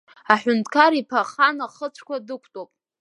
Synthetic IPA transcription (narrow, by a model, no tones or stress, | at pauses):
aħʊntʰkʰaɾipʰaχanaχət͡ɕʷʰkʷadɨkʷʰtʼopʼ